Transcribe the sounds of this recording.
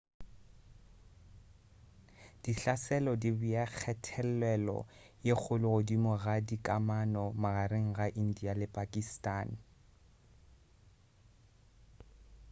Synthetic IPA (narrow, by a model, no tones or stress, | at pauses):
d̥iɬasɛlɔdibuak͡xʰɛtʰɛlɛlɔ̰ | jek͡xʰʊlʊɣʊdimʊɣadikʼamanɔmaɣaɾeŋ̩ɣaʔin̩dialɪpʼakʼistʼaːn